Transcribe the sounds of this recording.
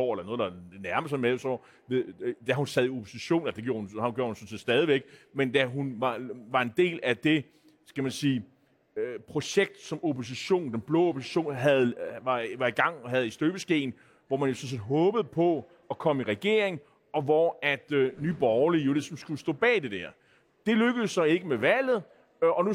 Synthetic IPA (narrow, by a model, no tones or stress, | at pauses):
ɒ̰ːelɐnoːðˠelɐnæɐməsnmeosɒ̰ | ʋed̥æhhunsæð̞ˠio̝pʰo̝siɕo̝̰ːnelsd̥eɡ̥jo̝ːɐhunɡ̥jo̰ɐhunsɔ̽n̩se̝̰ːd̥sd̥ɛːð̞ˠiʋeɡ̥mend̥æɦunʋɑ̈ʋɑ̈e̝nd̥e̝̰ːlæd̥e̝ | sɡ̥æmænsiː | pʰʁo̝ɕeɡ̥̚d̥sɒ̽mopʰo̝s̬iɕo̝̰ːnd̥enb̥lɔ̰̽ːopʰo̝si̥ɕo̝̰ːnɦæð̩ˠɑ̈ʋɑ̈iɡ̥ɑ̈ŋ̰ɦæð̞̩ˠisd̥øb̥əsɡ̥e̝̰ːn̩ | ʋɒmænjo̝sɒ̽ns̬e̝̰ːdɦɔ̽ːb̥əð̞̩ˠpʰɒ̽ | ɒkʰɒ̽miʁɛɡ̥e̝ɐ̰e̝ŋ | ɒ̽ʋɒæd̥nyːb̥ɒʊɐlijo̝lisɒ̽msɡ̥usd̥ɔ̰̽ːb̥ɛ̰ːd̥e̝d̥æɐ̰ | d̥e̝løɡ̥əð̩ˠsːɑ̽e̝ɡ̥əmeʋæl̰ð̞̩ˠ | ɒ̽nu